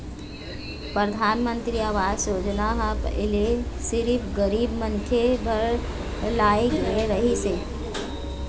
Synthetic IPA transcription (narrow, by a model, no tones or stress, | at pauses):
pɾəd̪ʱaːnmə̃nt̪ɾiaːʋaːd͡ʒsoːd͡ʒnaɦãpə̰ɪlesɪɾipɡəɾiːbmə̃nt̪ʰebʱəɾ | laːeɡeɾəɦiseː